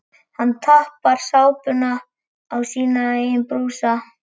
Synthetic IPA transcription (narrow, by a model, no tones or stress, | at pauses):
hant̪ʰahpaɾ̥saːwpʏnaː | wsiːnaeːjɪnpɾuːsa